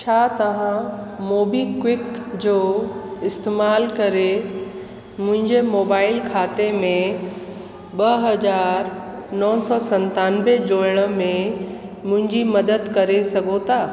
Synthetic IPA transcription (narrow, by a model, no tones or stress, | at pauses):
t͡ɕʰaːt̪ɐʋ̤ãmoːbikwɪkd͡ʑoːɪst̪eːmaːlkɐɾe | mʊ̃ɦɪ̃ɲd͡ʑemoːbaːɪlkʰaːt̪emẽ | ɓɐɦɐzaːɾnɔːsɔːsɐ̃nt̪aːnbed͡ʑoːɪɽ̃ə̆mẽ | mʊ̃ɦɪ̃ɲd͡ʑimɐd̪əd̪kɐɾesɐɡʱot̪ʰaː